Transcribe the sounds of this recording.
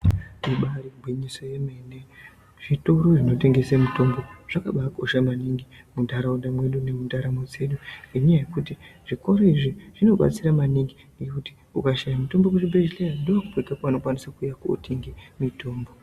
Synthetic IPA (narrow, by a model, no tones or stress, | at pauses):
iɓaɾiɡʱwiɲiso̞je̞mene | ʐ̥ito̞ɾo̞ʐino̞te̞ŋɡe̞semuto̞mbo̞ʐ̥akaɓako̞ʃamaniŋɡi | mundʱaɾaundamwe̞ɗune̞mundaɾamo̞d͡ze̞ɗuiɲajaje̞kutiʐ̥iko̞ɾoiʐiʐ̥ino̞ɓa̰t͡siramaniŋɡiŋɡekuti̥ | ukaʃajamuto̞mbo̞kuʐibeʒilejandoakupoikakano̞kwanisakujakuo̰tʰiŋɡemito̞ːmbo̞